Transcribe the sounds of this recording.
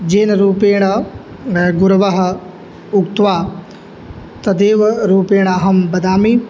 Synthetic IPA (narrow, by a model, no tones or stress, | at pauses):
d͡ʒeːnɾuːpeːɳ̃ɐ | ɡʊɾʋɐɦɐ | ʊkt̪ʋaː | t̪ɐd̪eːʋɾuːpeːɽ̃aɦɐmbɐd̪aːmiː